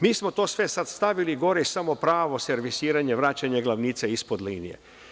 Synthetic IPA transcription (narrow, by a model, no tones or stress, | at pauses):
miːsmo̞t̪oːsʋesat̪st̪aʋiliɡo̞ɾeisamo̞pɾaːʋoseɾʋisiːɾaɲeʋɾaːt͡ɕaɲeɡlˠaʋniːt̪seispod̪liːnḭje